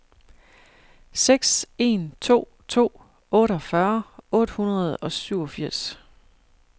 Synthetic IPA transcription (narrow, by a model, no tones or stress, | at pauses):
seɡ̥se̝nt͡sʰo̝̰ː | t͡sʰo̝̰ː | ɔ̽ːɾɒfɶɐɔ̽ːd̥hunɐð̞̩ˠɒ̽syʊ̰ɒ̽fiɐ̰s